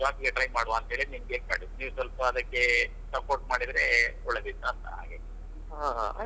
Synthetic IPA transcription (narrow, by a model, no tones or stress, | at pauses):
aːpiɡeʈɾɐjmaːɽuʋaɐnt̪ɐɦeɭiniːmɡek̚ma̰ːɽiniːʋusʋɐlpɐːd̪ɐkːe̞ | sɐpoːɾʈ̚maːɽid̪ɾe | ɔɭed̪it̪ːaːnt̪ɐ̰ɦa̰ːɡe | aɦ